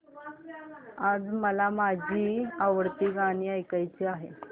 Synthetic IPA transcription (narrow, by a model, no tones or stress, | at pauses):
ad͡zməlamad͡ʑʱiːaʋəɽt̪iːɡaɽ̃iːajkajt͡ɕiːaɦḛ